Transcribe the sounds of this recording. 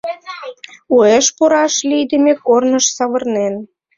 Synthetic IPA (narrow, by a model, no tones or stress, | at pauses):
ueʃpuɾɑʃlijd̪ĕmʲekornəʃsɑβɤ̆rnen